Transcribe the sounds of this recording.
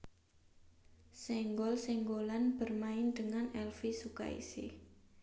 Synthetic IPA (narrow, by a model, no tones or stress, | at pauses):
sɛŋɡɔlsɛŋɡolanb̥ə̤rmaɪnd̪̥əŋanɛlfisuka̰ḭsɪ̰